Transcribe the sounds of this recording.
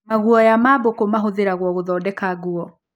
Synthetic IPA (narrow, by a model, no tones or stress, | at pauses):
maɣuɔjamaːbokomaɦoðeɾaɣwɔɣoðɔːdɛkaɣuɔ